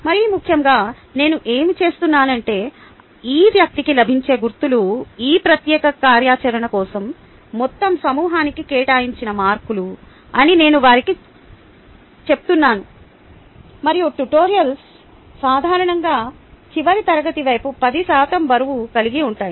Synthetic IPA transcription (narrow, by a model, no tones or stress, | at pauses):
mɐɾijumukʰːjɐmɡaː | ne̞ːnuʔe̞ːmit͡ʃe̞ːst̪unːaːnɐɳʈe̞ː | iːʋjɐk̚t̪ikilɐbʱiɲt͡ʃe̞ːɡuɾt̪uluiːpɾɐt̪jɛːkɐkaːɾjaːt͡ʃɐɾɐɳɐkɔːsɐmː | ɔt̪ːɐmsɐmuːɦaːnikikɛːʈaːjiɲt͡ʃinɐmaːɾkulu | ɐnine̞ːnuʋaːɾiki | t͡ʃeput̪unːaːnu | mɐɾijoːʈuʈoːɾijɐls | saːd̪ʱaːɾɐɳɐŋɡaːt͡ʃiʋɐɾit̪ɐɾɐɡɐt̪iʋɐjpupɐd̪isaːt̪ɐmbɐɾuʋukɐliɡiuɳʈaːji